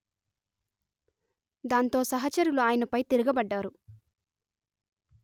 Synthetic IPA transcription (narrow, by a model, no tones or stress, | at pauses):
d̪aːnt̪o̞ːsɐɦɐt͡ʃɐɾuluaːjɐnɐpɐjt̪eɾuɡɐbɐɖːaːɾu